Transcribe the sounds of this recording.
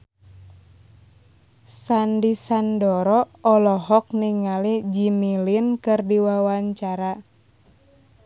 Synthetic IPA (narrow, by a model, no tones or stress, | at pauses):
sandisandɔɾɔɔlɔɦɔk̚niŋalid͡ʒimilinkɨrdiwawaɲt͡ʃaɾa